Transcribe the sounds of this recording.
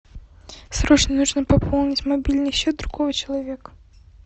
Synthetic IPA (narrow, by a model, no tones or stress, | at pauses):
sɾɔt͡ʃnɐnuʐnɐpɐpʰɔlˠnʲit͡sʲmabʲilʲnɨɕʲɛd̪d̪ɾuɣɔvɨt͡ɕɐlˠavʲɛk